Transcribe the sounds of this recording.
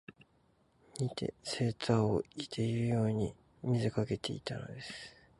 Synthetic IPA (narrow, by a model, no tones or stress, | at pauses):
ɲ̟ʲit̪ʰḛse̞ːt̪ao̰it̪ʰe̞iɯjo̞ːɲ̟i | mʲizɨkake̞t̪e̞̰it̪ano̞̰d̪e̞sɨ̥